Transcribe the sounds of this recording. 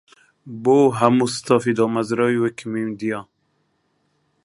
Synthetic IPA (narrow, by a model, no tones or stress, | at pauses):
boɦamust̪ɔfid̪ɔmazɾɔiwekʰimimd̪ijɑ